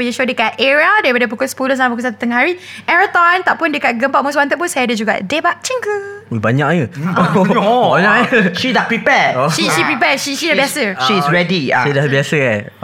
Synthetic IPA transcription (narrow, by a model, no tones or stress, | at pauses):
wiʃodəkat̪̚ɛɹaldabadəp̬ukospuləs̬ãnpukus̬at̪ut̪əŋɦaɹiʔɛɹət̪ɔ̃nt̪aʔpundəkat̪̚ɡəmpatʔ̚moswãnt̪ət̪̚p̬unsajadəd͡ʒuɡa̰ʔdebaʔ̚t͡ʃiŋkəwibaɲaʔjəobaɲaʔəʃidapɹipɛʃiʃipɹipɛʃiʃidabjasəʃisɹɛdiʃidabiasəɛ